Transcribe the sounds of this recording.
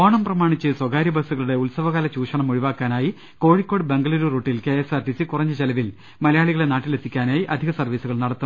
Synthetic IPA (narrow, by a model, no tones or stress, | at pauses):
oːɳɐmprɐmaːɳit͡ɕːɨswɐɡaːɾjɐbʱɐsuɣɐɭuɽe̞ulsɐʋɐɣaːlɐt͡ɕuːʂɐɳɐmuɻiʋaːkːaːnaːji | ko̞ːɻikʲːo̞ːɽɨbeŋɡɐɭɐɾuroːʈːilkeesarɖisikurɐɲːɨt͡ɕɐlɐʋil | mɐlɐjaːɭiɣɐɭenaːʈːilet̪ʰːikʲːaːnaːjiʔɐd̪ʱiɣɐsɐrʋiːsuɣɐɭnɐɽɐt̪ːu